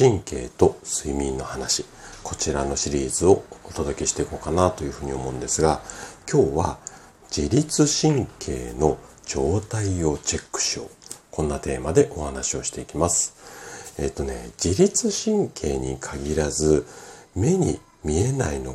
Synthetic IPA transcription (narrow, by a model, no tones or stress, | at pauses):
ĩŋke̞̰ːt̪o̞sɨimʲĩnːo̞hanaɕi | kʰo̞t͡ɕiɾano̞ɕiɾʲiːzɨo̞ot̪o̞d̪o̞kʲe̞ɕi̥t̪eikoːkanat̪o̞jɯ̟ɸɯ̟ːɲ̟io̞mo̞ɯ̃nd̪esɨɡakʲʰo̞ːβa | d͡ʑiɾʲit͡sɨɕĩŋkʰe̞̰ːno̞ | d͡ʑo̞ːt̪aio̞t͡ɕe̞kːɯ̥ɕokõ̞nːat̪e̞ːmad̪e̞ʔo̞hanaɕio̞ɕi̥t̪e̞ikʲimasɨ̥e̞ːt̪ːo̞ne̞̰d͡ʑiɾʲit͡sɨɕĩŋkʰe̞̰ːɲ̟ikʰaɡʲiɾazɨme̞ɲ̟ḭ | mʲie̞na̰ino̞